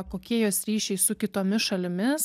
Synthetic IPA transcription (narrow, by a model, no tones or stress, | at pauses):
koːkʲiɛjoːsɾʲiːʃʲɛɪsʊkʲɪt̪oːmʲɪsʃɐlʲɪmʲɪs